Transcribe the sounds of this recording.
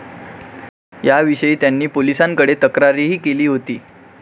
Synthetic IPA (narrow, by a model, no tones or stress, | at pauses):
jaʋiɕəiːt̪janːiːpolisãŋkəɽet̪əkɾaɾiɦiːkeliːɦot̪iː